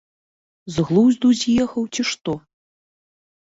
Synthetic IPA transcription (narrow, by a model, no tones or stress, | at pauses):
zɣlˠuzʲd̪uzʲjɛxɐwt͡sʲiʂt̪ɔ